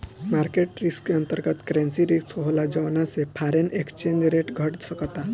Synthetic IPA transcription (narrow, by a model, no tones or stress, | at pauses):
maɾkeʈɾiskeənt̪əɾɡət̪kɾɛ̃nsiɾiksɔɦlad͡ʑəʋnasepʰaɾenekst͡ʃẽnd͡ʑɾeʈɡʱəʈsəkat̪a